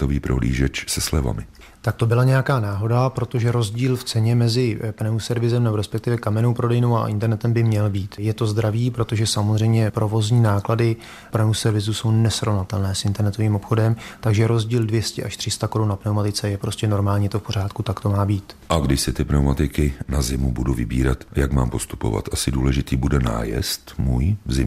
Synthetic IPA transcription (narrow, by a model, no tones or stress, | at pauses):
t̪oviːpɾoɦlḭːʒɛt͡ʃsɛslɛ̰va̰mɪ | t̪ak̚t̪o̞bɪlaɲɛjakaːnaːɦo̞dapɾo̞t̪o̞ʒɛɾo̞zɟiːlft͡sɛɲɛmɛzɪpnɛusɛɾvɪzɛmnɛboɾɛspɛk̚t̪ɪvɛkamɛno̞wpɾo̞dɛjno̞wa̰ʔɪ̰nt̪ɛɾnɛt̪ɛmbɪmɲɛlbiːt̪jɛt̪o̞zd̪ɾaviːpɾo̞t̪o̞ʒɛsamozr̝ɛjmɲɛpɾʔo̞vo̞zɲiːnaːkladɪ | pnɛusɛɾvɪzuso̞wnɛsɾo̞vnat̪ɛlnɛːsʔɪnt̪ɛɾnɛt̪o̞viːmo̞pxo̞dɛmt̪aɡʒɛɾo̞zɟiːldvjɛscɛʔaʃt̪r̝̥ɪst̪ako̞ɾunnapnɛwmat̪ɪt͡sɛjɛpɾo̞scɛno̞ɾmaːlɲit̪o̞fpo̞ɾ̝aːt̪kut̪akt̪o̞maːbiːt̪ʔaɡdɪʃsɪt̪ɪpnɛwmat̪ɪkɪnazɪmubuduvɪbḭːɾa̰t̪jakma̰ːmpo̞st̪u̥po̰va̰t̪ʔasɪduːlɛʒɪt̪iːbudɛna̰ːjɛ̰st̪muːjzɪ̰m